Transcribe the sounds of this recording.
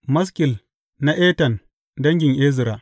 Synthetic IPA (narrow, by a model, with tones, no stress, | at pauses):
mɐ˦s̬kʲɪ˨l | na˦ʔeː˦tɐ˨n | dɐ˦ŋɡʲɪ˨ŋʔeː˦zɪ˨ɾaː˨